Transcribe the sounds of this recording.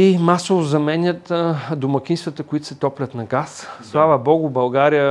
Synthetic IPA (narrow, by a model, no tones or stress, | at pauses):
imasovozɐmɛnʲət̪d̪ʊmɐkʲinst̪vət̪əkʊit̪ʊ̥sɛt̪ɔplʲɐt̪nɐɡasslˠavəbɔɡʊbɐlˠɡaɾijə